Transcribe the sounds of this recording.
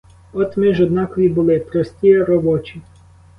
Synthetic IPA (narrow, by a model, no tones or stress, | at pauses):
ɔt̪mɪʒɔd̪nɑkɔʋʲibʊlˠɪpɾɔsʲtʲijɛɾɔbɔt͡ʃi